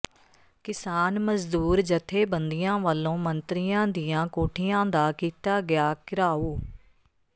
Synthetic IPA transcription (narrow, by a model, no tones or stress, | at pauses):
kɪsaːnməzd̪uːɾd͡ʒət̪ʰeːbənd̪ijãːʋəːlːõːmənt̪ɾijãːd̪ijãːkoːʈʰɪjãːd̪aːkiːt̪aːɡɪjaːkɪɾaːoː